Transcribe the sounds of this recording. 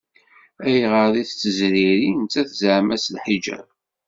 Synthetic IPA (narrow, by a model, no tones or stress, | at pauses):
æjʁəðiθt͡sːəzɾiɾint͡sːæθzʕmæslħid͡ʒæ̰